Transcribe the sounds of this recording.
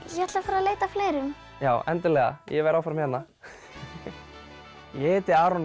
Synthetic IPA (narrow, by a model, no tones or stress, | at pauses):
jɛhat̪lafaɾaðleːjt̪afleːjɾʏm | jaːwʔɛ̰nt̪ɪlɛɣa̰jɛvɛɾawfaɾmhɛnnːa | jɛɛːt̪ɪaːɾɔn